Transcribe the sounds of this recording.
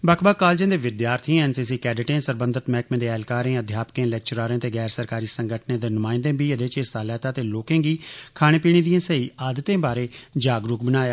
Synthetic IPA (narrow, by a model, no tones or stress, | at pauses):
bakʰbaːkaːld͡ʒẽːd̪eːʋɪd̪jaːɾt̪ʰĩɛːnsiːsiːkɛːɖɪʈẽːsəɾbə̃nd̪ət̪mɛːkmẽːd̪eːɛːlkaːɾẽːəd̪ʱjaːpkẽːlɛːk̚t͡ʃəɾaːɾẽːt̪eːɡɛːɾsəɾkaːɾiːsəŋɡəʈʰnẽːd̪eːnʊmaːɪnd̪ẽːbiːəd̪eːt͡ʃesaːlɛːt̪aːt̪eːloːkẽːɡiːkʰaːɽ̃ẽːpiːɽ̃iːd̪iẽːsəiːaːd̪ət̪ẽːbaːɾeːd͡ʒaːɡɾʊkbənaːjaː